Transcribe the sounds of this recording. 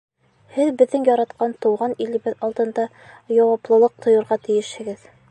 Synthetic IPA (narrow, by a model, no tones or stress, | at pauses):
hɘðbɘ̆ðːɘŋjɒɾɑt̪qɑnt̪ɤ̆wʁɑnilɘ̆bɘðɒlˠt̪ɤ̆nd̪ɑ | jɑwɑplˠɤ̆lˠɤq̚t̪ʰŏjɤ̆ɾʁɑt̪ɘ̆jɘʃhɘ̆ɡɘð